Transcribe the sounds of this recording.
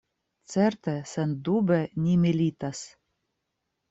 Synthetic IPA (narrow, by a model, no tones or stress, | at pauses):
t̪t͡s̪ɛrt̪ɛsɛnd̪ubɛnʲimʲilʲit̪as